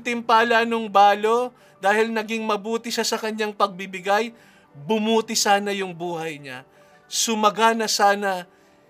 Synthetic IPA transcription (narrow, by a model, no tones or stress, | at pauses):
t̪ɪmpaːlɐnʊŋbaːlo̞ | d̪aːhɪlnɐɡɪŋmɐbuːt̪ɪʃasɐkɐɲːaŋpɐɡ̚bɪbɪɡaj | bʊmuːt̪ɪsaːnɐjʊŋbuːhɐjɲa | sʊmɐɡanɐsaːnɐ